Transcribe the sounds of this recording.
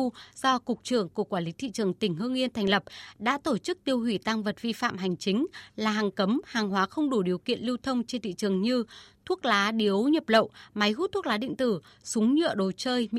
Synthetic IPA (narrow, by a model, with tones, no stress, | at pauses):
z̥ɔ˧kʊ˨˩k͡p̚t͡ɕɨ˧˩əŋku˧˩kwaː˧˩li˨˦t̪ʰḭ˧˨t͡ɕɨ˨˩əŋt̪ï˧˩ŋ̟hɨ˧əŋʔi˧ənt̪ʰɛ˨˩ŋ̟lə˨˩p̚ɗa̰ː˧˥t̪o˧˩t͡ɕɨ˦˥k̚t̪i˧əwhwi˧˩t̪a˧ŋvə˨˩t̚vi˧fa̰ː˧˨mɦa˨˩jŋ̟t͡ɕï˨˦ŋ̟laː˨˩ɦaː˨˩ŋkə˨˦mhaː˨˩ŋɦwaː˨˦xə˧wŋ͡mɗu˧˩ɗi˨˩əwkḭ˧˨ənli˧wt̪ʰə˧wŋ͡mt͡ɕe˧nt̪ḭ˧˨t͡ɕɨ˨˩əŋɲɨ˧t̪ʰu˦˥ək̚laː˨˦ɗi˨˦ə˦wɲə˨˩p̚lə̰˧˨wʔma˨˦jɣu˦˥t̪ʰːu˦˥klaː˨˦ɗḭ̈˧˨ŋ̟t̪ɨ˧˩ | sʊ˨˦ŋ͡mɲɨ̰˧˨əɗo˨˩t͡ɕəː˧jm˧